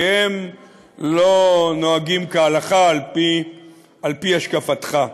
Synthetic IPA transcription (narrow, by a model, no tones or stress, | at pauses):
hem | lo̞noaɡimkaːlaχalpi | alpiaʃkafat̪χa